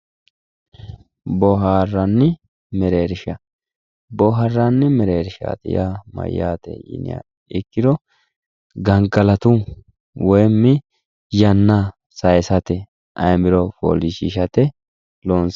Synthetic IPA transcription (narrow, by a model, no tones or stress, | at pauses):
bɔɦaːrːɐnːɪ | mɛɾeːɾɪʃɐ | bɔɦɐrːanːɛmɛɾeːɾɪʃa̰ːt̪ɪ̰jamɐ̰jːa̰ːt̪ɛ̰jɪ̰nɪ̰a̰ | ɪkːɪd̪ɔ | ɡɐŋɡɐlɐt̪u | wɔjmːɪ | jɐnːa | sɐjsɐt̪ɛ | ʔɐjmɪɾɔpo̰ːliʃiːʃɐt̪ɛ | loːns